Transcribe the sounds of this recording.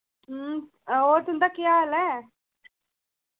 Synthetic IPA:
oːt̪und̪akiaːle

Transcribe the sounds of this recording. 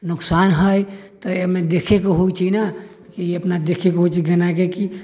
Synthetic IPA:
nʊksanɦəjt̪ɔemed̪ekʰekoɦoit͡ʃina | kiiəpnad̪ekʰekoɦot͡ʃiɡənakeki

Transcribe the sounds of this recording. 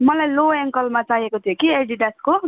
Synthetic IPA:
mʌlajloeŋkʌlmat͡saɦekot̪ʰijokieɖiɖasko

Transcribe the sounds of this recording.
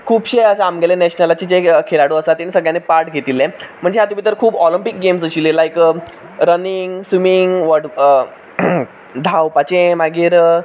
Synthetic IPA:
kʰuːbɕejəsaamɡelẽnɛɕnəlat͡ɕed͡ʑekʰelaɽoəsat̪ːenisəɡɭjãnepaɾʈɡʱet̪ilẽm̤əɳd͡zeɦat̪umit̪əɾkʰuːbɔlimpik̚ɡemsəɕiːlelajk | ɾəniŋɡsumiŋɡʋəʈ | d̪ʱawpat͡ɕẽmaɡiːɾ

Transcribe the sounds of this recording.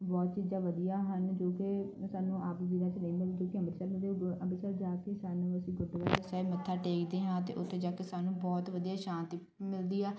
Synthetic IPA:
bɔːt̪t͡ʃiːd͡ʒãːʋəd̪ijaːɦənd͡ʒoːkesaːnũːaːpʋiːɾãːt͡ʃnəĩːd̪aːd͡ʒoːkɪəməɾsəlmət̪eəbəsəːld͡ʒaːkeːsaːnəəsĩːɡʊɖaːt͡ʃesaːimət̪ʰːaːʈeːkd̪eːɦãːt̪ḛːʔʊt̪ʰːeːd͡ʒaːkeːsaːnũːbɔːt̪ʋəd̪ijaːʃãːnt̪i | mɪld̪iːaː

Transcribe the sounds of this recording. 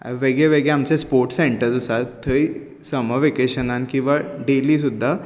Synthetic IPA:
ʋeɡɭɛʋeɡɭɛamt͡sɛspoɾʈseɳʈəɾd͡zəsat̪t̪ʰːəi | səməʋekeɕənankĩw̃ʋaɖeliːsud̪ʱːa

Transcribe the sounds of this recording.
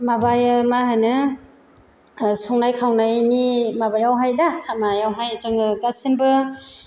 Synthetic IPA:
mabajɯmaɦɯnɯ | suŋnajkʰawnajnimabajawɦajdakʰamajawɦajd͡ʒɯŋɡasimbɯ

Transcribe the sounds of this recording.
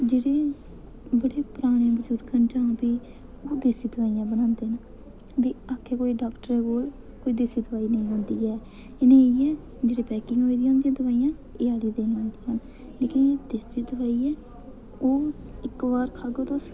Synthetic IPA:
d͡ʒeːɽeː | bəɽeːpʊɾaːɽ̃ẽːbəd͡ʒuːɾkənd͡ʒãːpiː | oːd̪eːsiːd̪əʋaːijãːbənãːnd̪eːna | d̪iːaːkʰːeːkoːiːɖaːkʈəɾɛːkoːl | koːiːd̪eːsiːd̪əʋaːiːnəĩːɦʊ̃ːnd̪iːɛː | enẽːɛː | d͡ʒeːɽeːpɛːkɪ̃ŋɡɦoːiːd̪ijãːnd̪ijãːd̪əʋaːiːjãː | eːaːliːd̪eːnːãːnd̪iːən | leːkẽeːd̪eːsiːd̪əʋaːiːɛː | oː | ɪkʋaːɾkʰaːɡoːt̪oːs

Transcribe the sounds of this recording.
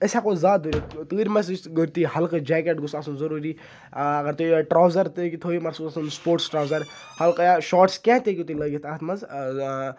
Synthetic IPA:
əsʲakozaːuɾʲit̪ɨːɾʲmɐsd͡ʒɡəɾʲt̪ihɐlkɨd͡ʒɛːk̬eʈɡusasunzɐɾuːɾiː | ɐɡɐɾt̪oːiʈɾaːwzɐɾt̪ɨkit̪ʰoːimɐsuːsasunspoːʈsʈɾaːwzɐɾ | hɐlkjaʃɔːʈskʲɛ̃ːt̪ʲekʲit̪ilɐɡʲit̪ʰɐt̪ʰmɐz

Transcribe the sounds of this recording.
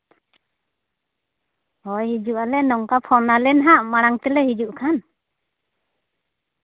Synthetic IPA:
hɔjhid͡ʒuʔalɛnɔŋkapʰɔnalɛnɦaʔmaɽaŋt̪ɛlɛhid͡ʒuʔkʰan

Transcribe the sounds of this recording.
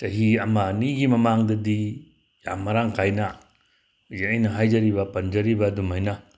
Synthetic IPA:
tɐɦiɐmaniɡimɐmaŋdɐdi | jamːɐɾaŋkʰajna | zeɐjnɐɦajd͡ʒɐɾibɐpɐnd͡ʒɐɾibɐdumajna

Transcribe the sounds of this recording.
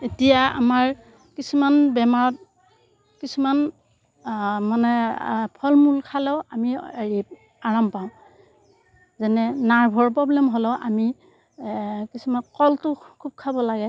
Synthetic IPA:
etijaa̰maɹ | kisumanbɛmaɹɔt̚ | kisuman | manɛpʰɔlmulkʰalɛʊamieɹi | aɹampaʊ̃ | zɛnɛnaɹbʱɔɹpɹɔblɛmɦɔlɛʊʔami | kisumankɔltʊkʰub̚kʰabɔlaɡɛ

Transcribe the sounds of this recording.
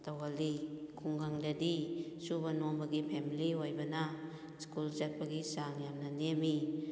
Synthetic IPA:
tawalikʰuŋɡaŋdadisubanoŋbɐɡipʰemiliojbɐna | skulzat̚baɡisaŋjamnɐnemi

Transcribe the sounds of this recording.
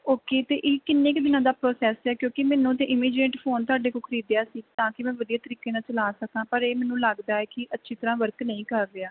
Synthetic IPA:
oːkeːt̪eːʔɪːkɪnːẽːkd̪ɪnãːd̪aːpɾoːsɛːsɛːkjõːkɪmɛːnũːt̪̬ẽːʔɪmiːd͡ʒẽːɳʈpʰoːnt̪ʊaːɖeːkoːkʰəɾiːd̪ejaːsiːt̪ãːkɪmɛ̃ːʋəd̪ijaːt̪əɾiːkeːnãːt͡ʃəlaːsək̪ãːpəɾeːmɛ̃ːnũːləɡd̪aːɛːkɪʔətːʃʰiːt̪əɾãːʋəɾknəĩːkəɾːeaː

